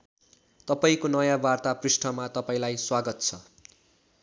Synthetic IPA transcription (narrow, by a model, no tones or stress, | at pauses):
t̪ʌpaĩkonʌjãbart̪aprisʈʰʌmat̪ʌpaĩlajswaɡʌt̪t͡sʰʌ